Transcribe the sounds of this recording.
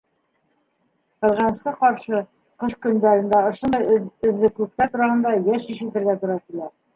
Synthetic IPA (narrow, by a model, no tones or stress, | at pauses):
qɤ̆ðʁɑnɤ̆sqɤqɑɾʃɤ | qɤʃkɵ̆nd̪æɾɘ̆nd̪æŏʃŏnd̪ɤjɵ̆ðːɘ̆klɘk̚t̪æt̪uɾɑhɤ̆nd̪ɑjæʃiʃɘ̆t̪ɘ̆ɾɡæt̪ŭɾɑkilæɾ